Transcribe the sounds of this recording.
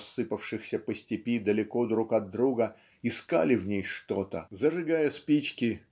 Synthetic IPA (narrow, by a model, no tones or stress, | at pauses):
sːɨpəfʂɨxsʲəpəsʲtʲɪpʲid̪əlʲɪkod̪ɾukɐd̪ːɾuɡə | ɪska̰lʲɪvnʲejʂt̪o̞t̪ə̰zəʐɨɡajəspʲit͡ɕkʲɪ